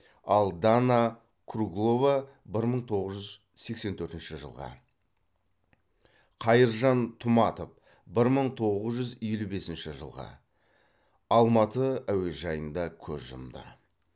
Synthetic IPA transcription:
ɑlˠd̪ana | kʰruɡlˠo̞va | bɪɾməɴt̪ʰo̞ʁəzʒʏz | se̞kse̞nt̪ʰɵɾt̪ɪnʃɪʒə̰lˠʁɑ̰ | qʰɑjəɾʒɑnt̪ʰʊmɑt̪of | bɪɾməɴt̪ʰo̞ʁəzʒʏzijlube̞sɪnʃɪʒə̰lˠʁɑ̰ | ɑlˠmɑt̪əæwe̞ʒɑjənd̪ɑkʲʰɵzʒʊ̰md̪ə̰

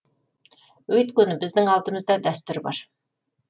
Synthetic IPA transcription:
wɵjt̪kʲɵnɪbɪzd̪ɪŋɑlˠt̪əməzd̪ɑd̪æst̪ʏɾbɑ̰ɾ

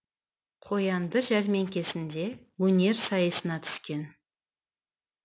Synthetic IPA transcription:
qʰo̞jɑnd̪əʒæɾme̞ŋkʲe̞sɪnd̪e̞ | wɵne̞ɾsɑjəsənɑt̪ʰʏ̥skʲe̞n

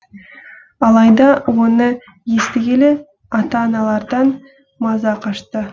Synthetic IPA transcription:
ɑlˠɑjd̪ɑwo̞nə | je̞st̪ɪɡʲele̞ | ɑt̪ɑːnɑlˠɑɾd̪ɑn | mɑzɑqʰɑʃt̪ə

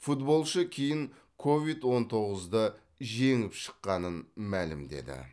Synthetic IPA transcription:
fut̪bo̞lˠʃəkʲʰejɪŋ | kʰo̞vit̪wo̞nt̪ʰo̞ʁəzd̪ə | ʒe̞ŋɪpʃə̥qːɑnənmælɪmd̪e̞̰d̪ɪ̰

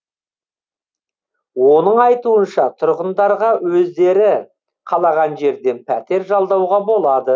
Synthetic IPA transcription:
wo̞nəɴɑjt̪uənʃɑt̪ʰʊɾʁənd̪ɑɾʁɑwɵzd̪e̞ɾɪ | qʰɑlˠɑʁɑnʒe̞ɾd̪e̞npʰæt̪e̞ɾʒɑlˠd̪ɑwʁɑbo̞lˠɑd̪ə

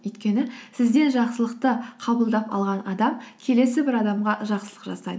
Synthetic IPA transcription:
ɵjt̪kʲe̞nɪsɪzd̪e̞nʒɑqsəlˠəqt̪əqʰɑbəlˠd̪ɑpɑ̰lˠʁɑnɑd̪ɑmkʲʰe̞le̞sɪbɪɾɑd̪ɑmʁɑʒɑqsəlˠə̥qʒɑ̰sɑjd̪ə

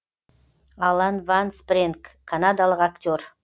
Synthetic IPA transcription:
alˠanvansprʲeŋkːʰanad̪alˠəqakt̪ʲor

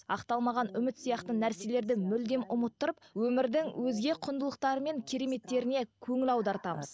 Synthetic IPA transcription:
ɑ̰qt̪ɑlˠmɑʁɑnʏmɪt̪sijɑqt̪ənæɾse̞le̞ɾd̪ɪmʏld̪e̞mʊmət̪ːəɾəp̚wɵmɪɾd̪ɪŋwʔɵzɡʲe̞qʰʊnd̪əlˠəq̚t̪ɑɾəme̞ŋkʲʰe̞ɾe̞me̞t̪ːe̞ɾɪne̞kʲʰɵŋɪlɑwd̪ɑɾt̪ɑməz̥

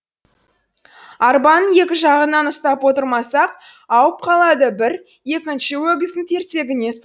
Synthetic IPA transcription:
ɑɾbɑnje̞kʲɪʒɑʁənɑnʊst̪ɑpwo̞t̪əɾmɑsɑqɑwəp̚qʰɑlˠɑd̪əbɪɾ | je̞kʲɪnʃɪwɵɡʲɪzd̪ɪnt̪ʰe̞ɾt̪e̞ɡʲɪne̞s

